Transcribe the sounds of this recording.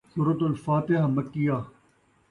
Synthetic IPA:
suːɾɐt̪ʊlfaːt̪ɪɦamɐkːijaː

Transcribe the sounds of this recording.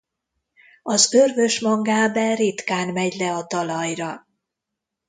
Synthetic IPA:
ɒzørvø̞ʃmɒɡaːbɛrit̪kaːnmɛɟlɛɒt̪ɒlɒjrɒ

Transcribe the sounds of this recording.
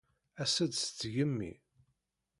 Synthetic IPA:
æsæd̪st͡sːʝəmːḭ

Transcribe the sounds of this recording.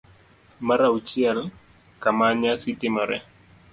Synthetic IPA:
maɾaut͡ʃiɛl | kamaɲasitɪmɔɾɛ̰

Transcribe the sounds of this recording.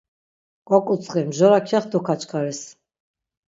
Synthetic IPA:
kʼɔkʼut͡sʼχɛmʒɔɾakʰaχd̪ukʰat͡ʃʰʼkʰaɾɛs

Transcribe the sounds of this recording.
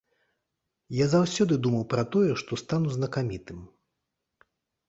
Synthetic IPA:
jazawsʲɔd̪ɨd̪umɐwpɾɐt̪ɔjɛʂt̪ɔst̪anuznɐkamʲit̪ɨm

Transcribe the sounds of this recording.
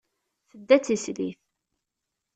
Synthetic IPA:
θəd̪ːæt͡sːislḭθ

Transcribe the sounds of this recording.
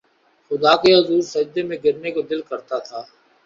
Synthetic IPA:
xʊd̪aːkeɦʊzuːɾsɐd͡ʒd̪emẽɡɪɾnekod̪ɪlkəɾt̪at̪ʰaː

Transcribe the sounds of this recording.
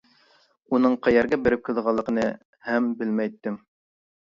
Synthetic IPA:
unɤɴqʰæjæɾɡʲɛbeɾɪp̚kʰɨzʁɑlˠːəqənɨ | hæmbɪlmæjt̪ːɪm

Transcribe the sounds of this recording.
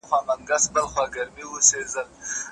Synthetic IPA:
xwamaŋɡasbəlχwɑɡaɾmiwusezəl

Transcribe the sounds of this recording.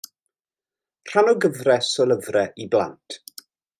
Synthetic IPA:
r̥anɔɡəvrɛsɔlˠəvrɛʔibla̰ntʰ

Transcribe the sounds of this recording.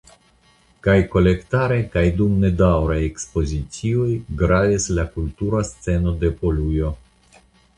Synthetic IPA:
kajko̞le̞ktaɾe̞kajdumne̞dawɾajekspo̞zit͡siojɡɾadislakultuɾast͡se̞no̞de̞po̞lujo̞

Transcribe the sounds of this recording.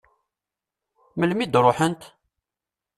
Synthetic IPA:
məlmid̪ɾˤoħənt̪

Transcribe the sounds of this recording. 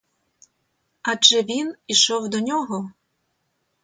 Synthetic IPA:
aʒɛʋʲiniʃɔwd̪ɔnʲɔɦɔ

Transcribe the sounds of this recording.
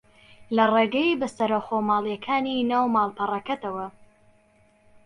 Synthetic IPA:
lɐreːɡɐjibɐsɐɾɐwxoːmaːlˠjɛkʰaːninaːwmaːlˠpʰɐrɐkɐt̪ɐwɐ

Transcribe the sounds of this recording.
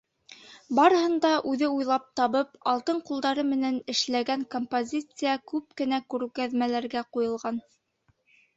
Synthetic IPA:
bɑɾɤ̆hɤ̆nd̪ɑʔʉðɘujlˠɑp̚t̪ɑβɤpɑlˠt̪ɤɴqulˠd̪ɑɾɤmɘ̆nænɘ̆ʃlæɡæŋkompozʲit̪sɨjɑkʉp̚kɘ̆nækʉɾɘ̆kæðmælæɾɡæqujɤ̆lˠʁɑn

